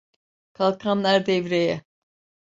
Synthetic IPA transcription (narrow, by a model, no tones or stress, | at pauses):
kʰalˠkʰanlˠaɾd̪ɛvɾejɛ